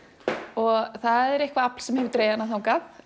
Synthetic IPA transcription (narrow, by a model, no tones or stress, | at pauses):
ɔɣθaðɛɾehkvaapl̥sɛmhɛvɾt̪ɾeːjðanːaθawkaθ